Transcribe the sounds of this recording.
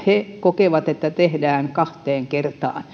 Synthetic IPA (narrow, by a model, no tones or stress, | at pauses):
hekokeʋɑt̪et̪ːæt̪ehdæːŋkɑht̪eːŋkert̪ɑ̰ːn